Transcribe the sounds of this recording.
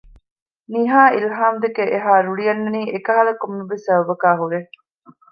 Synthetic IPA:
niːɦaːilɦaːmd̪ekeʔeɦaːɾuɭijɐnːɐniːʔekɐɦɐlɐkomːebesɐbɐbɐkaːɦuɾe

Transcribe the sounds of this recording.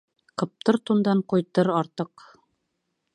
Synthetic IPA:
qɤ̆p̚t̪ɤɾt̪und̪ɑɴqujt̪ɤɾɑɾt̪ɤq

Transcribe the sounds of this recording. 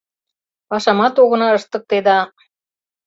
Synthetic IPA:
pɑʃɑmɑt̪oɣɤ̆nɑəʃt̪ɤ̆k̚t̪ed̪ɑ

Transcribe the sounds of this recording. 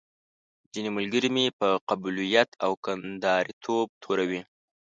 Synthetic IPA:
zineməlɡəɾimepəqabulijat̪awkand̪ɑɾit̪ʰob̚t̪ʰoɾawi

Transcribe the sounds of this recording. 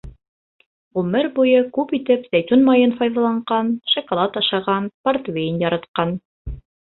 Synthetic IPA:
ʁʉmɘɾbujɤkʉpit̪ɘpzæt̪ʲunmɑjɤnfɑjðɑlˠɑɴɢɑnʃŏkolˠɑt̪ɑʃɑʁɑnpart̪vʲejnjɑɾɑt̪qɑn

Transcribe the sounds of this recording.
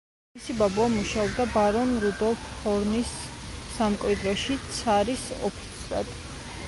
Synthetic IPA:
misibabuamuʃaɔbd̪abaɾɔnɾud̪ɔlˠfʰhɔɾnisːamkʼwid̪ɾɔʃit̪sʰaɾisɔ̰pʰi̥t̪sʰɾa̰d̪̥

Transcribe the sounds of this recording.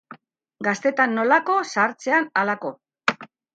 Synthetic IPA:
ɡast̪e̞t̪anːo̞lako̞saɾt͡se̞analako̞

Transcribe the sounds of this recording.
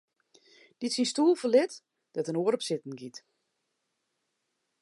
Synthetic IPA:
d̥itsinstuːlˠfəlɪt | d̥ɔtənoəɾɔpsɪtn̩ɡit

